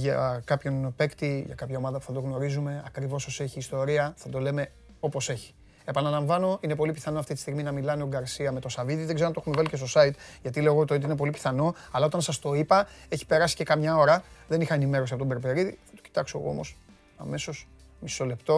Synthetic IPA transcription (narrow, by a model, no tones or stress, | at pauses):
ʝɐkɐpço̞npekt̪iʝɐ̰kɐpçɐo̞mɐðɐpu̥θɐt̪o̞ɣno̞ɾizume̞ɐkɾivo̞soseçiːst̪o̞ɾiɐθɐd̪o̞le̞me̞ | o̞po̞se̞çi̥ | epɐnɐlɐɱvɐno̞ine̞po̞lipiθɐno̞ɐft̪it̪i̥st̪iɣminɐmilɐneoɡɐɾsiɐmet̪o̞sɐviðiðeɡzenɐt̪e̞xumevɐlicest̪o̞sɐit̪ʝɐt̪ileoɣot̪oit̪iine̞p̬o̞lipi̥θɐno̞ | ɐlɐot̪ɐnsɐst̪o̞ipɐe̞çi̥pe̞ɾɐsi̥ce̞kɐmɲɐo̞ɾɐðe̞nixɐenime̞ɾo̞siɐpot̪obe̞ɾpeɾiðiθɐ̥t̪o̥ci̥t̪ɐkso̞̰ɣoo̰mo̞̰s | ɐ̰me̞so̞s | miso̞le̞pt̪o̞